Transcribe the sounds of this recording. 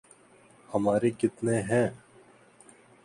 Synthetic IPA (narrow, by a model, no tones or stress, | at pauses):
hɐmaːɾeːkɪt̪neːɦɛ̃ː